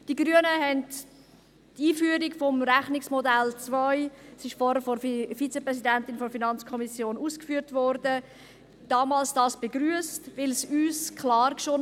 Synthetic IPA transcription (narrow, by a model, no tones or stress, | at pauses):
d̥iɡɾyənəɦɛnt | tiːfyəɾikfɔmɾæχnɪksmɔdælt͡svœɪsɪʃfɔɾəɾfɔfit͡sepʁɛsidɛntɪnfɔɾfinɑnt͡skʰɔmisjoːnuːskfyːəɾtvɔɾd̥ə | d̥ɑːmɑːlsd̥ɑːsb̥eɡɾyəstvɪlsyːskʰlɑːrkʃo